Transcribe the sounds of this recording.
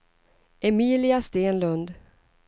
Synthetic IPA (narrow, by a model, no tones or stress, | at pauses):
ʔɛmiːlɪast̪eːnlɵnd̪